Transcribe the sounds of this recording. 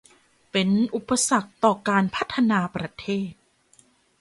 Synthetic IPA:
pe˧nʔu˨˩pːa˧sa˨˩k̚t̪ɔː˨˩kaː˧npʰa˦˥t̪ʰːa˧naː˧pɾa˧t̪ʰeː˥˩t̪̚

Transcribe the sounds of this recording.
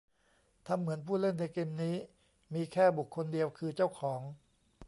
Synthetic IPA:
t̪ʰa˧mːɯ˩˦ənpʰuː˥˩lɤ˥˩nna˧jkeː˧mniː˦˥ | miː˧kʰɛː˥˩bu˨˩kʰːo˧ndi˧əwkʰɯː˧t͡ɕa˥˩wkʰɔː˩˦ŋ

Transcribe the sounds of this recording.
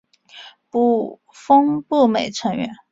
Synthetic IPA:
pu˥˩ | fɤ˥ŋpu˥˩me˨˩ɪʈ͡ʂʰɤ˧˥ŋɥɛ̰˧˥˦n

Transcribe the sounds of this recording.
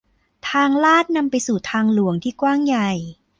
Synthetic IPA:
t̪ʰaː˧ŋlaː˥˩t̪̚na˧mpa˧jsuː˨˩t̪ʰaː˧ŋlu˨˩˦əŋt̪ʰiː˥˩kwaː˥˩ŋja˨˩j

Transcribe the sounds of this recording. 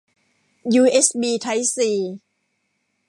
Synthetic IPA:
juː˧ʔe˦˥sbiː˧t̪ʰa˦˥jsiː˨˩

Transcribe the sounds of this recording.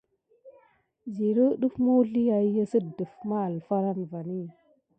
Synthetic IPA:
zi˨ɾə˦ɗu˦fmu˦ɮi˦ja˨i˦jə˦sə˦də˨fma˦a˨lfa˦ɾa˦nva˨ni˦

